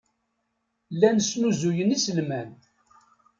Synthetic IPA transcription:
lːænəsnuzujənisəlmæn

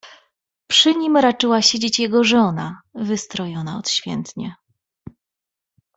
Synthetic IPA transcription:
pʂɘɲimɾat͡ʂɘwaɕed͡ʑet͡ɕjɛɡɔʐɔnavɘst̪ɾɔjɔnaɔt̪ɕfʲjɛ̰nt̪ɲɛ

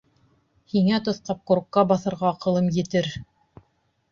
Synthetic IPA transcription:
hiŋæt̪ŏθqɑp̚kŏɾkːɑbɑθɤ̆ɾʁɑːqɤ̆lˠɤmjɘ̆t̪ɘɾ

